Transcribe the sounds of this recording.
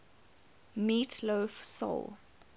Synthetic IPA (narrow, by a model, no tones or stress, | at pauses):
miːtʰloːfsɔ̰l